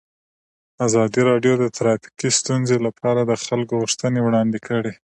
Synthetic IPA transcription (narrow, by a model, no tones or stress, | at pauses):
azɑd̪iɾɑɖjod̪ət̪ɾɑfi̥kist̪unzelapʰɑɾad̪əxalkoɣuʂt̪ənewɽɑnd̪ɪkʰəɽi